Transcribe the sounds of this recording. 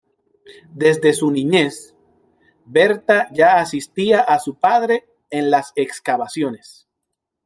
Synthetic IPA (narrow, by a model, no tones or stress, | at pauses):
d̪e̞zd̪e̞sunĩɲe̞s | be̞ɾt̪aʝaːsist̪iaʔasupaðɾe̞ː | nlase̞kskaβasjo̞ne̞s